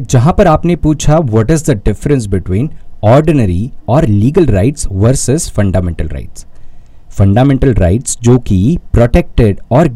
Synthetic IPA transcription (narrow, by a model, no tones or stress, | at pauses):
d͡ʒɐɦãpɐɾaːpnepuːt͡ʃʰaʋɔʈɪzd̪əɖɪfɾə̃ns̬bɪʈwĩːnɔːɾɖɪnəɾiɔːɾliːɡəlɾa̰ɪʈsʋɐɾsəzfɐ̃ɳɖaːmɛ̃ɳʈəlɾa̰ɪʈsfɐ̃ɳɖaːmɛ̃ːɳʈəlɾa̰ɪʈsd͡ʒoːkipɾoʈek̚ʈɪɖɔːɾ